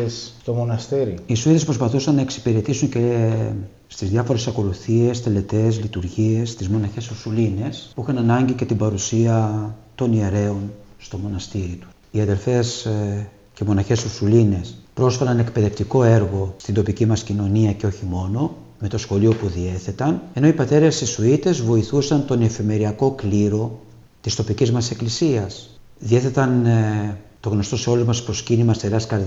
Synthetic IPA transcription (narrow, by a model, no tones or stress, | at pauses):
sst̪omonɐst̪iɾiisuiðespɾo̞spɐθusɐnːɐe̞ksi̥piɾe̞t̪isunce̞ | st̪izðjɐfo̞ɾe̞sɐko̞luθie̞st̪e̞le̞t̪e̞zlit̪uɾʝie̞st̪izmo̞nɐçe̞suɾsuline̞spuixɐnɐnɐɲɟice̞t̪ibɐɾusiɐt̪o̞nie̞ɾe̞o̞nst̪o̞mo̞nɐst̪iɾit̪u̥s | iɐðe̞ɾfe̞s | ce̞mo̞nɐçe̞suɾsuline̞spɾo̞sfɐɾɐne̞kpe̞ðe̞ft̪iko̞e̞ɾɣo̞st̪ind̪o̞picimɐscino̞niɐce̞o̞çimo̞no̞ | me̞t̪o̞sxo̞lio̞puðie̞θe̞t̪ɐne̞no̞ipɐt̪e̞ɾe̞st̪isuit̪e̞zvo̞iθusɐnt̪o̞ne̞fime̞ɾiɐko̞kliɾo̞ | t̪ist̪o̞picizmɐse̞klisiɐs | ðie̞θe̞t̪ɐn | t̪o̞ɣno̞st̪o̞se̞o̞luzmɐspɾo̞scinimɐst̪eɾɐskɐɾð